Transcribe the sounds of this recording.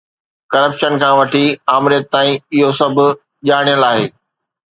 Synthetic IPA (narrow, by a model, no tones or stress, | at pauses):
kɐɾəpʃənkʰãːʋɐʈʰiaːmɾɪjət̪̚t̪ːaːĩɪɦosɐbʱʊ̆ | ʄaːɽ̃ijəlaːɦeː